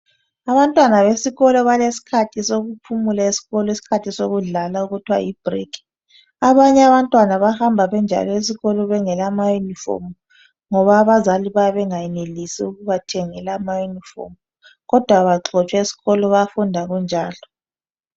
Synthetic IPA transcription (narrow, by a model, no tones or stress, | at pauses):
aβantʼwanaβesiɣɔlɔβalesi̥kʰatʰisoɣupʰumulaesi̥ɣɔlɔesi̥kʰatʰisoɣuɮalauɣutʰwa̰jib̥rikʰi̥ | aβaɲɛaβantʼwanaβahambʱaβɛnd͡ʒʱa̰lɔes̬iɣɔlɔβɛŋɛlamajunifɔ̰rm | ŋɔβaːβazaliβaβɛŋajɛnelisiuɣuβatʰɛŋɛlaːmajunifɔ̰m | ɣɔd̥ʱwaβaǁʰɔt͡ʃʼwɛesi̥ɣɔlɔβafundʱaɣund͡ʒʱaːlɔ